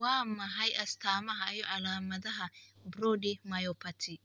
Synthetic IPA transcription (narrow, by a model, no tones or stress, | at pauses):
waːmːɐɦɐjʔɐst̪ʰaːmɐɦɐɐjɔʔɐlaːmɐd̪ɐɦɐbɾɔdɪmɐjɔpɐt̪ʰɪ